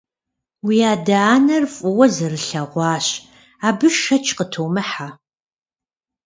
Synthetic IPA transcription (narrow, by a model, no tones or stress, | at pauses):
wiaːdaːnɐrfʼʊwɐzɐrɨɬɐʁʷɑːɕ | aːbɨʃʃɐt͡ʃʰqətʰoːmɨħa